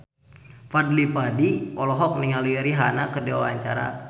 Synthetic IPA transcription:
fadlifadiɔlɔɦɔk̚niŋaliɾiɦanakədewa̰wa̰ɲt͡ʃa̰ɾa̰

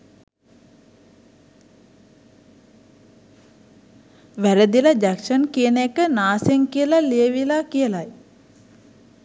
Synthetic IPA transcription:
ʋæɾəd̪ilad͡ʒækʃənkiənəekənaːseŋkijəlalijəʋilaːkijəlaj

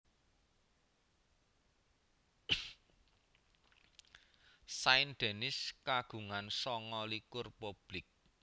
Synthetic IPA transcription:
saɪnɖ̪̥e̤nɪskaɡ̥ṳŋansɔŋɔlikʊrpub̥lɪk̚

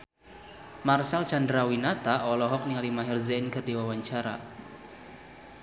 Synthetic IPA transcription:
marsalt͡ʃandɾawinat̪aʔɔlɔɦɔk̚niŋalimaɦɪrzɛnkɨrdiwawaɲt͡ʃaɾa̰

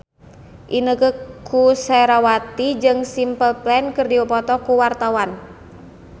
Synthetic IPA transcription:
ʔinəkəkusɛɾawat̪id͡ʒɨŋsimpəlplɛnkɨrdiwəpɔt̪ɔkuwart̪awan

